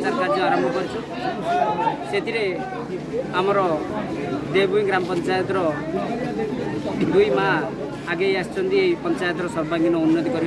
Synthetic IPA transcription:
t̪aɾkʰat̪ʰiaɾɔmbʱɔkɔɾit͡ʃʰu | set̪ʰiɾe | amɔɾɔ | d̪ebujɡɾampɔnt͡ʃajɔt̪ɾɔ | d̪ujmaː | ɡejast͡ʃɔnd̪ipɔnt͡ʃajɔt̪ɾɔsɔɾbaŋɡinɔunːɔt̪̬ikɔɾib

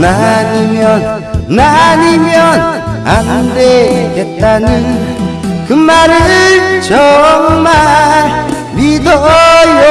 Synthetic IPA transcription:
nanimjʌnː | animjʌn | andeket̚t̪͈ani | kɯmːaɾɯt͡ɕɔŋma | bid̪ɔjo

